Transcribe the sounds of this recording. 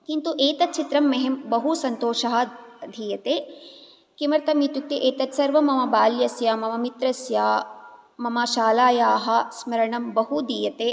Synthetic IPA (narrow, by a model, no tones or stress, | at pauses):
kint̪uʔeːt̪ɐt̪̚t͡ʃʰit̪ɾɐmːɐɦembɐɦusɐnt̪oːʃɐɦɐ̆d̪ʱiːjɐt̪eː | kimɐɾt̪ɐmjit̪juk̚t̪iʔeːt̪ɐt̪sɐɾʋɐmɐmɐbaːljɐsjaːmɐmɐmit̪ɾɐsjaː | mɐmɐʃaːlaːjaːɦɐ̆smɐɾɐɳɐmbɐɦud̪ʱiːjɐt̪eː